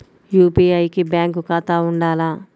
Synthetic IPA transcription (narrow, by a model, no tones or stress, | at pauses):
juːpiːɐjkibjaːŋkukaːt̪aːuɳɖaːlaː